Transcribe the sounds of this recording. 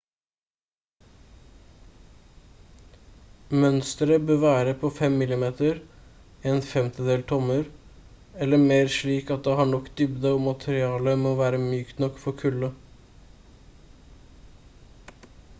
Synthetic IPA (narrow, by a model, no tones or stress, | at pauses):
mœnst̪əɾəbøːʋæːɾəpʰoːfɛmːɪlɪmeːt̪əɾː | eːnfɛmt̪ʰəd̪eːlt̪ʰɔməɾ | ɛləmeːɾʂɭiːkɑt̪̚d̪eːhɑːɳɔkːd̪ʏbd̪əɔmɑt̪ʰəɾɪɑːləmoːʋæːɾəmjyːkt̪nɔkfɔɾkʰʉlə